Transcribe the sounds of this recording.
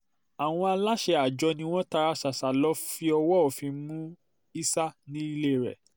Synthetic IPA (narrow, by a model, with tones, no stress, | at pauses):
a˨w̃ɔ̃˧a˧la˦ʃe˧a˨d͡ʒɔ˧nĩ˧˦w̃ɔ̃˦ta˧ɾa˧sa˨sa˨lɔ˦fi˧ɔ˧wɔ˦ɔ˨fĩ˧mũ˦ | i˦sa˦nĩ˦i˧le˦˨ɾɛ̰˨